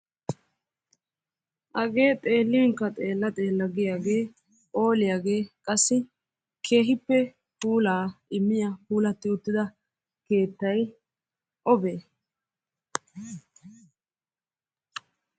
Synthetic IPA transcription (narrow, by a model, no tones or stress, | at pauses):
ʔɐɡe̞ːt̪ʼe̞ːlːɪwɪŋkːɐt̪ʼe̞ːlːɐt̪ʼe̞ːlːɐɡɪjaːɡe̞ː | ʔo̞ːlɪjaːɡe̞ːkʼɐsːɪ | kʰe̞ːɦɪpːɛ | puːlaːɪmːɪjapuːlɐt̪ːɪʊt̪ːɪd̪ɐ | ke̞ːt̪ːɐj | ʔɔbeː